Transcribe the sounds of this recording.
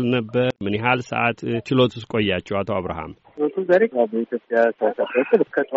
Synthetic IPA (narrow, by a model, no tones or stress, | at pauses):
lnəbːəɾmɨnjeɦalsə̰ʔat̪t͡ʃɪlo̞t̪ʰuskʼo̞jːat͡ʃːɛwat̪ʰoaβɾa̰ha̰mt͡ʃot̪ʰuzaɾekʼabəit̪ʰjo̞pʼːjasəsaat̪ːɨlɨkʰːət̪ʼ